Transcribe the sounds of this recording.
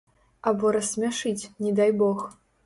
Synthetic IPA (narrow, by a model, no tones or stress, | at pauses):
ɐbɔɾɐsʲmʲaʂɨt͡sʲnʲɛd̪ajbɔx